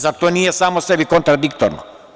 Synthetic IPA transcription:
zat̪oːnijesaːmosebikont̪ɾad̪ikt̪oɾno̰

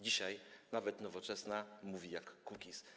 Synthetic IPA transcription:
d͡ʑiɕajnavɛt̪nɔvɔt͡ʂɛsnamuvʲijakːukʲis

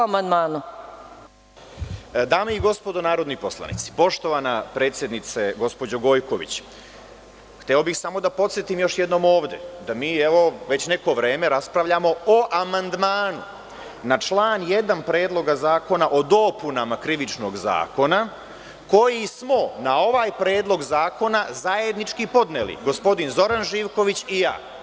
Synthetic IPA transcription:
amand̪maːnu | d̪aːmeiɡo̞spo̞d̪onaːɾo̞d̪nipo̞slˠa̰nḭt̪si̥po̞ʃt̪o̞ʋanapɾet̪sjed̪nit̪seɡo̞spo̞d͡ʑoɡo̞jko̞ʋḭt͡ɕ | xt̪eobixsamo̞d̪apo̞t̪sjet̪imjo̞ʃje̞d̪no̞ːmo̞ːʋd̪e̞̰d̪amiːeʋo̞ʋet͡ɕne̞ko̞ʋɾe̞ːme̞ɾaspɾaʋʎamo̞oʔamand̪maːnu | nat͡ʃlˠaːnje̞d̪anpɾe̞ːd̪lˠo̞ɡazaːko̞naʔo̞d̪o̞punamakɾiʋit͡ʃno̞ːɡza̰ːko̞na | ko̞jismo̞nao̞ʋaːjpɾe̞ːd̪lˠo̞ɡzaːko̞nazaje̞d̪nit͡ʃkipo̞d̪nelḭɡo̞spo̞d̪inzo̞ɾanʒiːʋko̞ʋit͡ɕija̰ː

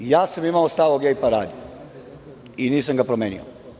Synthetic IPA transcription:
jaːsamimaost̪aʋoɡejpaɾaːd̪io | iniːs̬amɡapɾomeːnḭo̰

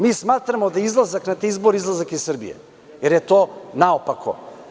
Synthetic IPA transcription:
mismat̪ɾamod̪aizlˠazaknat̪izboɾiizlˠazakisr̩bḭja̰ | ɛɾjɛt̪ɔnaopakʰɔ̰

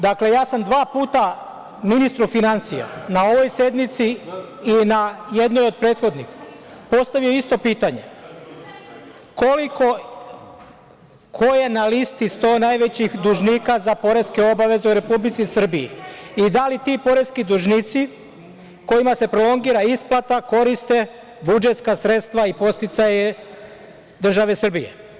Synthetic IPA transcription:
d̪akle̞jaːsamd̪ʋaːpuːt̪a | minist̪ɾufinansija̰nao̞ʋo̞jsje̞d̪nit̪siː | naje̞d̪nojo̞d̪̚pɾeːt̪xo̞d̪nixpo̞st̪aʋijo̞ist̪o̞piːt̪aɲe̞̰ | ko̞liko̞ | kʰo̞je̞nalist̪ist̪o̞ːnajʋe̞t͡ɕixd̪uʒniːkazapo̞ɾe̞ske̞o̞baʋe̞zeuɾe̞publit̪sisr̩biḭid̪alit̪ipo̞ɾe̞skid̪uʒniːt̪si | ko̞imase̞pɾolo̞ŋɡiːɾaisplˠat̪ako̞ɾist̪e̞ | bud͡ʒe̞t̪skasɾe̞t̪st̪ʋaipo̞st̪it̪saje | d̪r̩ʒaʋe̞sr̩bije̞̰

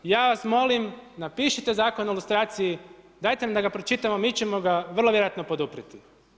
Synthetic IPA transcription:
jaːʋasmo̞limnapiːʃit̪e̞zaːko̞nilˠust̪ɾaːt̪siji | d̪aːjt̪enamd̪aɡapɾot͡ʃit̪amomiːt͡ɕemo̞ɡaʋrlˠojeɾojat̪no̞po̞d̪upɾit̪i

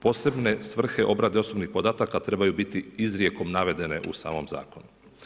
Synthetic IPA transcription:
po̞se̞bne̞sʋr̩xe̞ʔo̞bɾad̪eo̞so̞bnixpo̞d̪aːt̪akat̪ɾe̞bajubit̪iizɾje̞ko̞mnaʋe̞d̪e̞ne̞̰ʔṵsa̰ːmo̞mza̰ːko̞nu

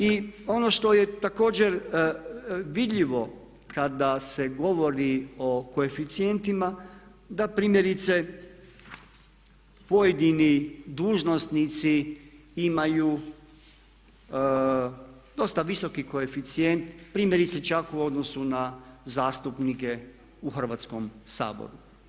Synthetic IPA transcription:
io̞no̞ʃt̪o̞je̞t̪ako̞ːd͡ʑe̞ɾ | ʋid̪ʎiʋo̞ | kad̪ase̞ɡo̞ʋo̞ɾiokoe̞fit̪sije̞nt̪imad̪apɾiːmje̞ɾit̪se̞ | po̞jed̪inid̪uːʒnost̪nit̪si | imajuː | d̪o̞st̪aʋiso̞kiko̞efit̪sijent̪pɾiːmje̞ɾit̪set͡ʃakuo̞d̪no̞sunazaːst̪upnike̞ | uxr̩ʋaːt̪skomsa̰ːbo̰ɾu

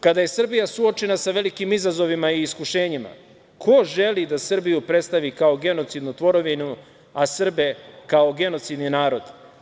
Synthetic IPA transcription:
kad̪aje̞sr̩bijasuo̞t͡ʃe̞nasaʋe̞likimizazo̞ʋimaiːskuʃe̞ːɲima̰ | kʰo̞ʒe̞lid̪asr̩bijupɾet̪st̪aʋikaoɡe̞not̪sid̪nut̪ʋo̞ɾo̞ʋinu | asr̩be̞kao̞ɡe̞no̞t̪sid̪ninaːɾo̞d̪

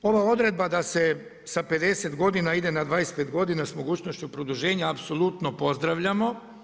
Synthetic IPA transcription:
o̞ʋao̞d̪ɾe̞d̪bad̪ase̞ | sape̞d̪e̞se̞t̪ɡo̞d̪inaid̪enad̪ʋaːjest̪pet̪ɡo̞d̪inasmo̞ɡuːt͡ɕno̞ʃt͡ɕupɾo̞d̪uʒe̞ːɲaːpso̞lˠut̪no̞po̞zd̪ɾaʋʎamo̞

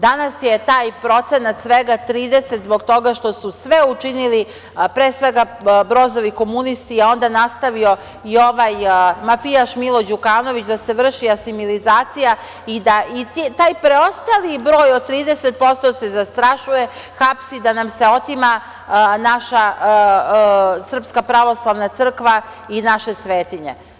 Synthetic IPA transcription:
d̪anasjet̪aːjpɾo̞t̪se̞nat̪sʋeɡat̪ɾiːd̪eset̪zbo̞ɡt̪o̞ɡaʃt̪o̞susʋe̞ut͡ʃinili | pɾeːsʋeɡa | bɾo̞zo̞ʋiko̞munist̪iao̞nd̪anast̪aʋio̞ | io̞ʋajmafijaʃmilˠo̞d͡ʑukaːno̞ʋit͡ɕd̪aseʋr̩ʃiasimilizaːt̪sija | id̪aʔit̪it̪aːjpɾeo̞st̪alibɾo̞ːjot̪ːɾiːd̪eset̪̚po̞st̪ose̞zast̪ɾaʃuje̞xapsid̪anamse̞o̞t̪ima | naʃa | sr̩pskapɾaʋo̞slˠaʋnat̪sr̩kʋa | inaʃe̞sʋeːt̪iɲḛ

